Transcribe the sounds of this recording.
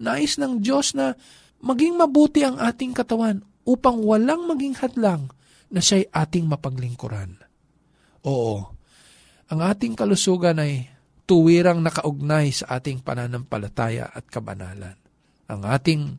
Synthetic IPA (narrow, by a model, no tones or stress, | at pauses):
naːʔɪsnɐŋd̪jo̞snɐ | mɐɡɪŋmɐbuːt̪ɪʔɐŋʔaːt̪ɪŋkɐt̪ɐwan | ʔuːpɐŋwɐlaŋmɐɡɪŋhɐd̪laŋ | nɐʃajʔaːt̪ɪŋmɐpɐɡlɪŋkʊ̰ɾan | ʔoːʔo | ʔɐŋʔaːt̪ɪŋkɐlʊsuːɡɐnɐj | t̪ʊwiːɾɐŋnɐkɐʔʊɡ̚najsɐʔaːt̪ɪŋpɐ̰nanɐmpɐ̰lɐt̪aːjɐ̰ʔɐ̰t̪̚kɐbɐ̰na̰ːlɐ̰n | ʔɐ̰ŋʔa̰ːt̪ɪŋ